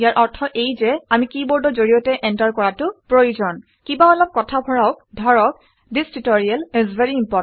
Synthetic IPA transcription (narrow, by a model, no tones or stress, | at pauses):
ijaɹʔɔɹtʰɔʔejzɛamikibɔɹdɔzoɹijɔtɛʔɛntaɹkɔɹatʊpɹojuzɔn | kibaɔlɔp̚kɔtʰabʱɔɹɔʊk̚dʱɔɹɔk̚ | distɹitoɹialɛzveɹiːmpɔ